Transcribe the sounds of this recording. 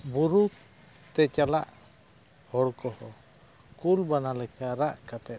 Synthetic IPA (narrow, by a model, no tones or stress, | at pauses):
buɾuk̚ | t̪ɛt͡ʃala̰ʔ | hɔɽkɔhɔ | kulbanalɛkaɾaʔkat̪ɛt̪̚